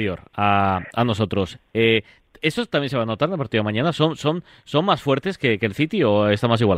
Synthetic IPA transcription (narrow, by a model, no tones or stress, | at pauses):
jo̞ɾaano̞s̬o̞t̪ɾo̞se | estot̪amjenseano̞t̪aɾðepoɾt̪imãɲanaso̞nso̞n | so̞nmasfwe̞ɾt̪e̞ske̞kelθit̪ioe̞st̪amas̬iɣwal